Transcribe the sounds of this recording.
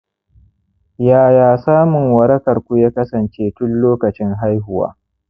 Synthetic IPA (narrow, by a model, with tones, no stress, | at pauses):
jaː˨jaː˨saː˦mʊ˨ŋwɐ˨ɾɐ˦kɐ˨rkʷu˦jaː˦kɐ˦sɐ˨nt͡ʃeː˦tʊ˦nloː˦kɐ˨t͡ʃɪ˦ŋɦa˦jɦʊ˨wa̰ː˦